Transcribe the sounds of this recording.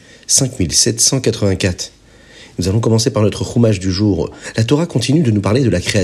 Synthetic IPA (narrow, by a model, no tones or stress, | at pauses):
sɛ̃kmilsɛt̪sɑ̃kat̪χəvɛ̃kat̪χ | nuzalɔ̃kɔmɑ̃sepaʁnɔt̪χəʁumaʒd̪yʒuːʁlat̪ɔʁakɔ̃t̪inyd̪ənupaʁled̪əlakχea